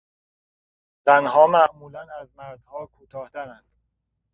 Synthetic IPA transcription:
z̥ænɦɒːmæʔmuːlænæzmæɾd̪̥hɒːkʰuːt̪ʰɒːht̪æɾænd̪̥

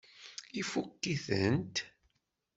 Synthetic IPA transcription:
ifukːiθənt̪

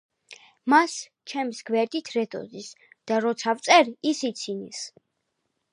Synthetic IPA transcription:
mas | t͡ʃʰɛmisɡvɛɾd̪ʼit̪ʰɾɛd̪ʼɔ̰zis | d̪̥aɾɔt̪sʰavt̪sʼɛɾisit̪sʰinḭs

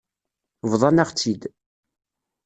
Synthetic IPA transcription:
vðˤɑnaʁt͡sːid̪

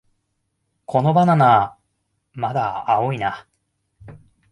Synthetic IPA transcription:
kʰo̞no̞banana | mad̪aao̞ina

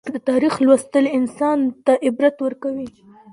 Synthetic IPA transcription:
kd̪ət̪ɑɾixlwast̪əlɪnsɑnt̪aʔɪbɾat̪wəɾkawi

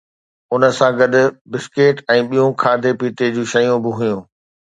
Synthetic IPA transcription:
ʊnə̆sãɡɐd̪ʱʊ̆bɪskeːʈɛ̃ːɓijõkʰaːd̪ʱepiːt̪ed͡ʑuːʃɐjũbɪɦʊjũː

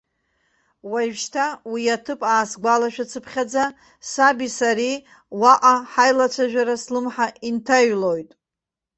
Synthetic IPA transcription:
wajʒʃtʰawiatʰɨpʼaːsɡʷalaʃᶣat͡sʰɨpʰχʲad͡za | sabisaɾi | waʔʼaħajlat͡sʷʰaʒᶣaɾaslɨmħaʔintʰaɥlo̞jtʼ

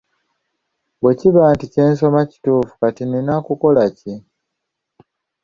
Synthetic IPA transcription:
βwe̞ciβaːntice̞ːnso̞maci̥tuːfu̥katininakuko̞laci

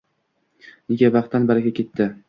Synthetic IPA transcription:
ɪɡʲabɑχt̪ːanbaɾɪɡʲakʲʰe̞t̪ʰːɪ

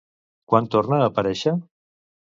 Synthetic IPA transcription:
kwant̪ornəːpəɾɛʃə

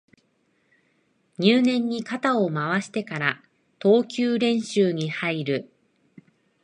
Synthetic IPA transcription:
ɲ̟ɨːnẽ̞ɲ̟ːikat̪ao̞maβaɕi̥t̪e̞kaɾa | t̪o̞ːkʲɨːɾẽ̞ɰ̃ɕɨːɲ̟ihaiɾɯ̟

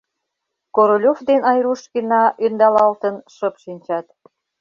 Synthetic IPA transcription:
koɾolʲofd̪enɑjɾuʃkinɑʔynd̪ɑlɑlt̪ənʃəpʃinʲt͡ɕɑt̪

